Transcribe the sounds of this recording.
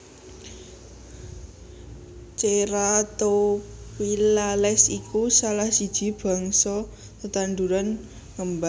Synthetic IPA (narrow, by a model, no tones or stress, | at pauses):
t͡ʃeɾat̪opilalɛsikusalahsid̥ʒ̥i̤b̥a̤ŋsɔ | t̪ət̪and̪uɾan | ŋəmba